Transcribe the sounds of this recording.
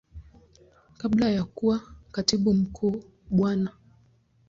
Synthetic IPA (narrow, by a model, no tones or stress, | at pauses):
kaɓlajakuwakatiɓum̩kʰuː | ɓwana